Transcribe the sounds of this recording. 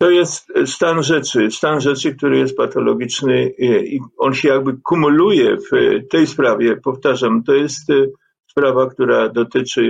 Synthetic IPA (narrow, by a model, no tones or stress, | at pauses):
t̪ɔjɛst̪st̪anʐɛt͡ʂɘst̪anʐɛt͡ʂɘk̚t̪uɾɘjɛst̪̚pat̪ɔlɔɡʲit͡ʂnɘiɔnɕɛjaɡbɘkumulujɛft̪ɛjspɾavʲjɛpɔft̪aʐamt̪ɔjɛst̪ | spɾavakt̪uɾad̪ɔt̪ɘt͡ʂɘ